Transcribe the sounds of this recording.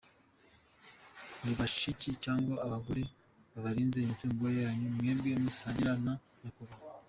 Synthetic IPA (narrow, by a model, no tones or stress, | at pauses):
niβaʃʃicicaːŋɡwaaβaɡuɾe | βaβaɾiːnzeimituːŋɡoɾejaːɲumŋeːmɡemisaːɲiɾana | nakuβa